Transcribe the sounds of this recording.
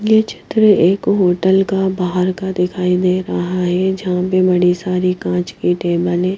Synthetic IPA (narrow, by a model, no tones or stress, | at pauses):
jet͡ʃʰɪ̥t̪ɾəeːkɦoːʈəlkabaːɦəɾkad̪ɪkʰaːid̪eːɾɐɦaɦɛd͡ʒɐɦãpebɐɽisaːɾikãːt͡ʃkiʈeːbəlɦɛ̃ː